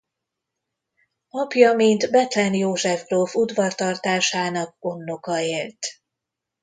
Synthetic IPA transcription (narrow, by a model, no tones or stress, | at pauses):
ɒpjɒmint̪bɛt̪lɛnjoːʒɛvɡrofud̪vɒrt̪ɒrt̪aːʃaːnɒk̚o̞nːo̞kɒeːlt̪